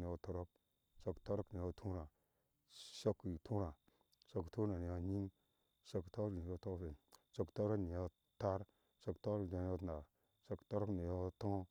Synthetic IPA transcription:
ni˨o˦to˦ɾo˦k̚ | ʃo˦kto˦ɾo˦kni˨jo˦tʰu˦ɾa˨ | ʃo˦ktʰu˦ɾa˨ | ʃo˦ktu˦ɾa˨ni˨jo˦ɲi˦ŋ | ʃo˦kto˦ɾni˨o˦to˦fe˨ʃo˦kto˦ɾo˦kni˨jo˦ | ta˦ɾ | ʃo˦kto˦ɾd͡ʒa˨n˦o˦tna˨ | ʃo˦kto˦ɾo˦kni˨jo˦to˦

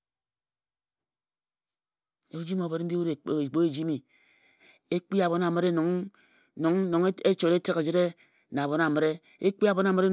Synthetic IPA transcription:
e˨˦d͡ʒi˦mo˨be˨ɾm̩˦bi˦u˦ɾe˨k͡po˦e˨d͡ʒi˦mi˨ | e˦k͡pi˦a˨bo˨˦na˨mɨ˦ɾe˦n˨˦ŋ | no˨˦ŋ˦no˨ŋ˦e˦t͡ʃo˨ɾe˦ti˦ke˨d͡ʒi˦ɾe˦ | na˨bo˨na˨mɨ˨ɾe˦ | e˦k͡pi˦a˨bo˨˦na˨me˦ɾe˦

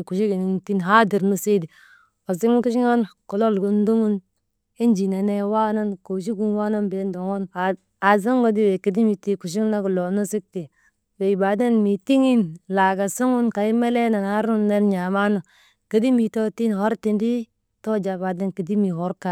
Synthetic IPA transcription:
ku˨ʃi˦ɡi˨ni˨ti˦nɦa˦di˨ɾnu˦si˦di˨ | o˨si˦ŋ˦nku˦ʃi˦ŋo˦nko˨lo˦lɡu˦ndu˦ŋu˦n | i˦nd͡ʒi˨na˨ne˦wa˦na˦nko˨ʃi˦ɡu˦nwa˦no˦nbe˨˦n˦do˨ŋo˦na˨ | a˨zo˦ŋɡo˦di˦we˨ki˨di˦mi˨ti˦ku˨ʃ̬i˦ŋ˦na˦ɡu˨lo˨nu˦si˦k̚ti˨ | we˨i˨ba˨de˦nmi˨ti˦ŋi˦nla˨ɡa˨su˦ŋu˦nka˨i˦me˦le˦na˨na˦ɾu˦nːe˦nɲa˨ma˦no˨ | ki˨di˦mi˨to˦ti˦nho˦ɾti˨ndi˦ | to˦d͡ʒa˨ba˨de˦nki˨di˦mi˨ɦo˦ɾka˨

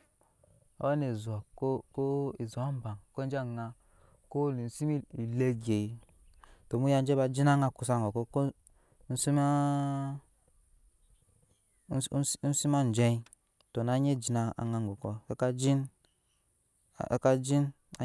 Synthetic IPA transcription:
a̰˦wa˦ne˨zu˨a˨ko˦ko˦i˨zu˨a˦m˦ba˨ŋko˦n˦d͡ʒŋa˧ | ko˦li˨n̩˦si˦mi˦i˨le˦ɡe˨ji˨ | to˨mu˦ja˦˧n˦d͡ʒe˦ba˧d͡ʒi˦na˦ŋa˦˧ku˧˨sa˧˨ŋɡo˨ko˦ko˦ | si˦ma˦ | n̩˦si˦ma˦˨n˨d͡ʒɛ˦i˦ | to˨na˨˦ɲe˦d͡ʒi˨na˨˧a̰˨ŋa˨ŋɡo˨ko˦ka˦d͡ʒi˦n˨ | ka˧d͡ʒi˦n | a˦

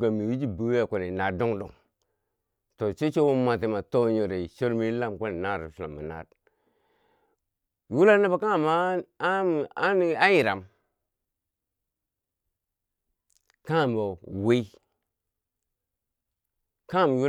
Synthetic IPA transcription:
ɡa˨mi˨wi˦d͡ʒi˦bu˨wa˦˨ko˨ne˨na˨do˦ŋdo̰˨ŋ | to˨t͡ʃe˦t͡ʃo˦wo˦ma˨te˨ma˨to˦ɲo˨ɾe˨ʃo˦ɾmi˦la˦˨mko˦ne˨na˦˨ɾḭ˨su˨la̰˨ma̰˨na̰˨d̚ | ju˦la˦na˦ba˨ka˦ŋ˨ma˦˨ | a˦n˦a˦ji˨ɾa˨m | ka˦ŋ˨m˨o˨we˦i˦ | ka˦ŋ˨m˨ju˦

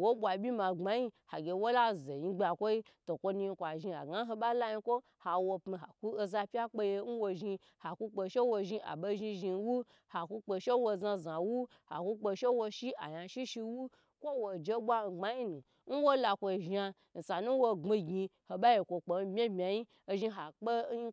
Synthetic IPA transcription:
wo˦ɓʷa˨bʲi˦ma˨ŋ͡ma˨ji˦ha˨ɡʲe˨wo˦la˦˨ze˨ji˧˦ɡ͡bʲa˨kʷo˦i˦to˨kʷo˧nu˧i˧kʷa˨ʒi˧a̰˨ɡa˦ɦo˧ɓa˦la˦ji˧kʷo˦ | ha˨wo˧pmi˧ɦa˨ku˦o˧za˧pʲa˦k͡pe˧je˧˦n̩˦wo˧ʒi˧ | ha˨ku˧k͡po˧ʃe˦wo˧ʒi˧ʔa̰˨bo˧ʒi˧ʒi˧n˦wu˦ | ha˨ku˧k͡po˧ʃe˦wo˧˨za˧za˨wu˦ | ha̰˨ku˦k͡po˧ʃe˦wo˧ʃi˦ʔa̰˨ja˧ʃi˦ʃi˧wu˦ | kʷo˦wo˨d͡ʒe˧ɓwa˦˨ɡ͡ba˦ji˦nu˨ | n̩˦wo˦la˧kʷo˧˨ʒa˧ | n̩˨sa˨nu˦wo˧ŋ͡mi˧ɡʲi˧ho˨ɓa˦ji˧kʷo˧k͡po˨˦bʲe˦bmʲa˨ji˦ | o˧ʒi˧ɦa˨k͡pe˦

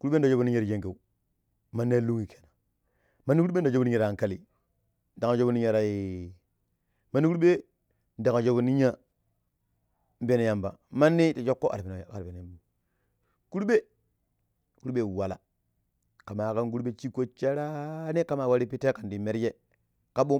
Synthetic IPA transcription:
ku˦ɾɓe˦n˦da˨d͡ʒo˦bu˨ni˦ɲa˦ɾje˦ŋke˨u˨ | ma˦nːe˦lu˦ŋi˨kʰe̥˨na˨ | ma˦nːi˦ku˦ɾe˦da˨d͡ʒi˦a˦ɾa˨ŋka˦li˨ | n̩˦da˨ŋa˨d͡ʒo˦bu˦ni˦ɲa˨ɾa˨ji˨ | ma˦nːi˦ku˦ɓe˦ | nda˨ŋa˨d͡ʒo˦bu˨ni˦ɲa˦ | m˦be˦na˨ja˨mba̰˨ma˦nːi˦ti˨d͡ʒo˦kːo˦ʔa̰˨ɾn˨ka˨ɾpe˨n˨bu˨ | ku˦ɾɓe˦ | ku˦ɾɓe˦˨wa˨la̰˨ | ka˨ma˨ka˦nɡu˦ɾɓe˦t͡ʃi˦kːo˦t͡ʃe˦ɾa˦ne˦ka˦ma˨wa˦ɾi˦pi˦te˦ka˨ndi˨me˦ɾd͡ʒe˦ | ka˦ɓo˦

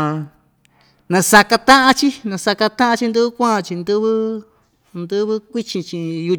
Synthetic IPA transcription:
nã˧sa˧ka˧t̪ã˦ʔã˦t͡ʃi˦nã˧sa˧ka˧t̪ã˦ʔã˧t͡ʃi˧nd̪ɨ˦βɨ˦kʷã˦ã˧t͡ʃi˧nd̪ɨ˦βɨ˦ | nd̪ɨ˦βɨ˦kʷi˦t͡ʃĩ˧t͡ʃĩ˧ju˧

